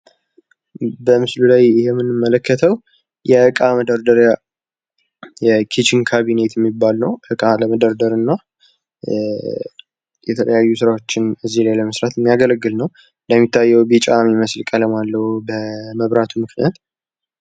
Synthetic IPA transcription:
bəmɨslulajjɛmːɨnːɨmːələkːət̪ʰəw | jɛʔɨkʼaməd̪əɾd̪əɾa | jɛkʰet͡ʃiŋkʰaβinet̪jɛmːibːalnəwʔɨkʼaləməd̪əɾd̪əɾɨnːa | jɛt̪ʰələjajːusɨɾawo̞t͡ʃːɪnɨzːilajləməsɾat̪mːijaɡələɡːɨlnəw | ɨnd̪əmːit̪ʰːajːɛwbit͡ʃʼamiməslkʼələmalːəhubəməβɾat̪ʰumɨkʰnijat̪

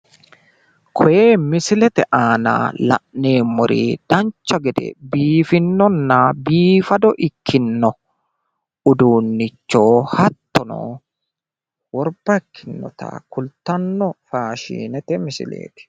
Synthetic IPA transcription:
kʰɔjeːmɪsɪlɛt̪ɛʔaːna̰lɐ̰ʔne̞ːmːʊɾʔḭd̪̥ɐnt͡ʃːɐɡɛd̪ɛ̰biːfɪnːɔnːɐbiːfɐd̪ɔʔɪkʰːɪnːɔ | ʊd̪uːnːɪt͡ʃːoːhɐt̪ːɔno̰ː | wɔɾbɐɪkʰːɪnːɔ̰t̪ɐ̰kʊlt̪ːɐnːɔfaːʃḭːnɛt̪ɛmɪsɪ̰lḛːt̪ɛ̥

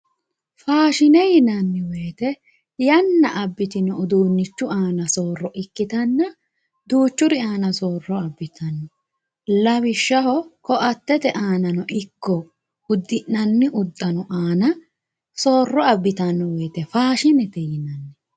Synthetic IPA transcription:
faːʃɪnɛjɪnɐnːɪweːt̪ɛ | jɐnːɐʔɐbːɪt̪ɪnɔːd̪uːnːɪt͡ʃːʊaːnɐsoːrːɔʔɪkːɪt̪ɐnːɐ | d̪uːt͡ʃːʊɾɪaːnɐsoːrːɔɐbːɪt̪ʰɐnːɔ | lɐβɪʃːɐhɔkɔʔɐt̪ːɛt̪ɛʔaːnɐnɔʔɪkːɔ | ʊd̪ːɪʔnɐnːɪʔʊd̪ːɐnɔʔaːnɐ | soːrːɔɐbːɪt̪ɐnːɔweːt̪ɛfaːʃɪnɛt̪ɛjɪnɐnːɛ

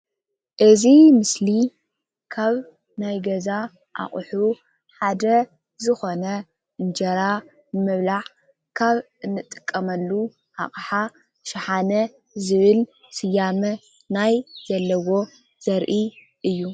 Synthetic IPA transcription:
ʔɨzimɨsli | kʰaβ | najɡɐza | ʔa̰χʼħu | ħad̪ɐ | zɨxo̞nɐ | ʔɨnd͡ʒɐɾa | bɨmɨβlaħ | kʰaβ | ɨnːɨt̪ʼɨ̥kʼːɐmɐlːu | ha̰χʼħa | ʃɪħanɐ | zɨβɨl | sɨjːamɐ | najz̥ɐlːɐwo̞ | z̥ɐɾʔi | ʔɨjːu

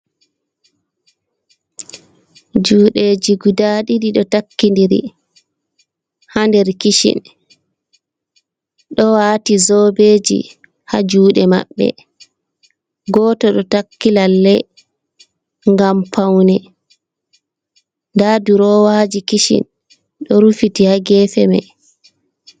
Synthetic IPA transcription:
d͡ʒuːɗed͡ʒiɡudaːɗiɗiɗɔtakːindiɾḭ | handɛɾkiʃḭn | ɗɔwaːtizɔːbeːd͡ʒḭ | had͡ʒuːɗɛma̰ɓːɛ̰ | ɡɔːtɔɗɔtakːilalːɛ | ŋɡampawnɛ | ndaduɾɔwad͡ʒikiʃḭn | ɗɔɾufitihaɡɛfɛmɛ̰

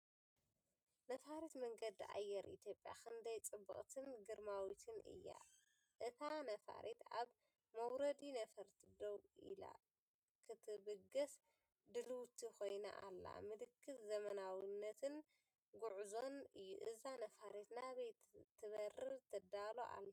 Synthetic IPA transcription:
nɐfaɾet̪mɐŋɡɐd̪ʔa̰jːɛɾḭt̪ʰjo̞pʼja̰kʰɐnd̪ɐjt͡sʼɨbːɨ̰χʼt̪ʰɨnɡɨɾmawit̪ʰɨnɨ̰jːa̰ | ʔɨt̪ʰanɐfa̰ɾʔet̪aβ | mɐwɾɐd̪inɐfɐɾt̪ʰid̪owḭla̰ | kʰɨt̪ʰɨbɨɡɐs | d̪ɨlɨwt̪ʰixo̞jna̰ʔalːa̰mɨlɨkʰːɨt̪zɐmɐnawinːɐt̪ʰɨn | ɡuʕzo̞nɨjːṵʔɨzanɐfaɾet̪naβɐjt̪ʰːɨβɐɾɨt̪ʰɨd̪alo̰ʔa̰lːɐ

